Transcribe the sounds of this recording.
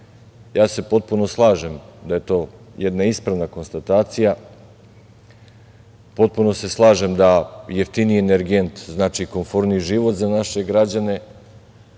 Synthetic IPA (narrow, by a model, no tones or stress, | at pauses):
jaːse̞po̞t̪̚puno̞slˠaːʒemd̪aje̞t̪o̞ːjed̪naispɾaʋnako̞nst̪at̪aːt̪sija | po̞t̪̚puno̞se̞slˠaːʒemd̪ajeft̪inieneɾɡe̞nt̪znaːt͡ʃiko̞ɱfoɾniʒiʋo̞t̪zanaʃe̞ɡɾad͡ʑane̞